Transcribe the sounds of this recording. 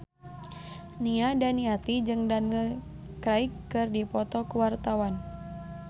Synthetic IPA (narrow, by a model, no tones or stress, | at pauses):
niadaniat̪id͡ʒɨŋdanə | kɾaikːɨrdipɔt̪ɔkuwart̪awan